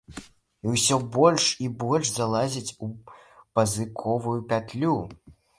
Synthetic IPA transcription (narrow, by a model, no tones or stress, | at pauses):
iwsʲɔbɔlʲʂibɔlʲʂzalˠazʲit͡sʲupɐzɨkʰɔvujupʲat̪lʲu